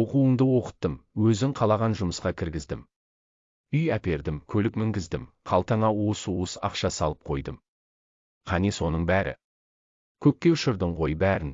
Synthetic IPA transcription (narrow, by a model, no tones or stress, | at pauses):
o̞quəɴd̪əwo̞qə̥t̪ːəmwɵzɪŋqʰɑlˠɑʁɑnʒʊməsqɑkʲʰɪɾɡʲɪzd̪ɪm | ʏjæpe̞ɾd̪ɪmkʲʰɵlɪkmɪŋɡʲɪzd̪ɪmqʰɑlˠt̪ɑɴɑuəsuəsɑ̰qʃɑsɑlˠəp̚qʰo̞jd̪əm | qʰɑniso̞nəɴbæɾʔɪ̰ | kʲʰɵk̚ʲkʲːe̞ʊʃəɾd̪əɴʁʰo̞jbæɾɪn